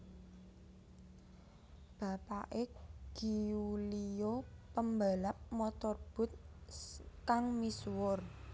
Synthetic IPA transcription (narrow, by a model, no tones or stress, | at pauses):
b̥a̤paʔeɡ̥i̤ulijopəmbalap̚mɔt̪ɔrb̥ʊ̤t̪̚ | kaŋmiswʊr